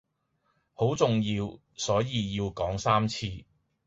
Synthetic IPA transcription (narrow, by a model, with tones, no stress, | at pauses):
ho˨˥wt͡sʊ˨ŋjiː˧w | sɔː˨˥jiː˧jiː˧wkɔː˨˥ŋsaː˥mt͡sʰiː˧